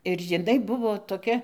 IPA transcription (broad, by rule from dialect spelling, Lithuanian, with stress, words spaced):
ɪr jɪˈnɐɪ ˈbʊʋoː toːˈkʲɛ